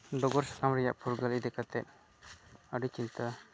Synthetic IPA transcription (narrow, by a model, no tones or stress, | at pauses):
ɖɔɡɔɾsḁkamɾɛja̰ʔpʰuɾɡalid̪ɛkat̪ɛt̚ | aɖit͡ʃint̪a